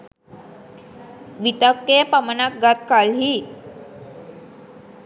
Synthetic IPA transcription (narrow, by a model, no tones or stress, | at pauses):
ʋit̪əkːeəpamənak̚ɡat̪kalɦi